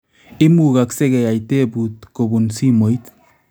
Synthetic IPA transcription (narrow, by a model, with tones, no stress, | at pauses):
ɪ˦muka˨ksɛ˦ɡɛ˨ja˨jte˦butko˨bu˨nsi˦mo˨i˦t